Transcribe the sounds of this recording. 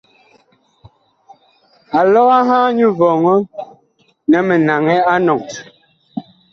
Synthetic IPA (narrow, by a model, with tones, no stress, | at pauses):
a˨lɔ˦ɣa˦ɦaː˦ɲu˦vɔ˨ŋɔ˦ | nɛ˨mɛ˨na˨ŋɛ˦a˦nɔ˨ŋ